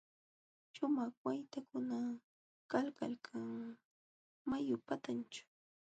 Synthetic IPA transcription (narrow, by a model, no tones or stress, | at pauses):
ʃʊmaχwajt̪akʊna | kalka̰lkʰaŋ | majʊpat̪ant͡ʃʊ̥